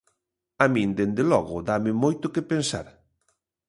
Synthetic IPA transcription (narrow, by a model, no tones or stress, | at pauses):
amĩnd̪end̪elɔɣʊðamɪmojt̪ʊkepensa̰ɾ